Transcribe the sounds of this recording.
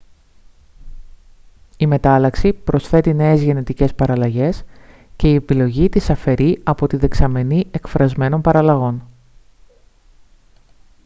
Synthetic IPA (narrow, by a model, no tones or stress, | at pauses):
ime̞t̪ɐlɐksipɾosθe̞t̪ine̞ezʝe̞ne̞t̪ice̞spɐɾɐlɐʝe̞s | ce̞ie̞pilo̞ʝit̪isɐfe̞ɾiɐpo̞t̪iðe̞ksɐme̞nie̞kfɾɐzme̞no̞npɐɾɐlɐɣo̞n